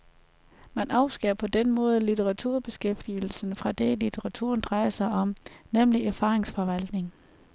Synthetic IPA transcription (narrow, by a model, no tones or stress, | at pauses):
mænɑ̈ʊ̰sɡ̥eɐpʰɒ̽d̥enmɔ̽ːð̞̩ˠlit͡sʰeʁɑ̈t͡sʰuɐ̰b̥e̝sɡ̥efd̥il̩sn̩fʁɑ̈d̥elit͡sʰeʁɑ̈t͡sʰṵɐnd̥ʁɑ̈ɪɐsɑ̈ɪɒ̽mnemliʔæɐfɑ̈ːʁeŋsfɒ̽ʋæl̰d̥ne̝ŋ